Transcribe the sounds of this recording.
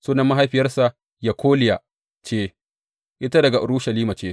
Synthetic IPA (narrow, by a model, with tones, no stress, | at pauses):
soː˦nɐ˨mːa˦ɦa˦jɸɪ˨jɐ˦rsa˨ʔ | ja˨kʰʷoː˦lɪ˨ja˨ | t͡ʃeː˦ | ʔɪ˦ta˦dɐ˨ɡa˨ʔɽuː˦ʃɐ˨liː˦ma˨t͡ʃeː˦